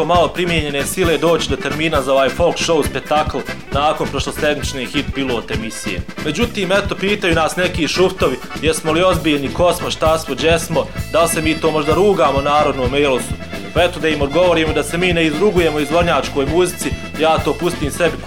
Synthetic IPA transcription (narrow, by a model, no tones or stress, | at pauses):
omalo̞pɾimjeɲe̞ne̞sile̞d̪o̞ːt͡ɕid̪o̞t̪e̞ɾmiːnazao̞ʋaːjfo̞lˠkʃo̞wspek̚t̪akl̩ˠnaːko̞npɾo̞ʃlose̞d̪mit͡ʃnehit̪̚pilˠo̞ːt̪emisijḛme̞d͡ʑut̪iːmet̪o̞piːt̪ajuːnaːsnekiːʃuft̪o̞ʋi | jesmo̞lio̞zbiːʎniko̞smoʃt̪asmod͡ʑesmod̪alse̞miːt̪o̞ːmo̞ʒd̪aɾuːɡaːmonaːɾo̞d̪noːmejlost̪upe̞t̪od̪aimo̞d̪ɡo̞ʋo̞ɾiːmod̪ase̞miːneizɾuɡuje̞mo̞izʋo̞ɾɲaːt͡ʃko̞ːjmuzit̪si | jaːt̪oːpust̪iːmse̞bi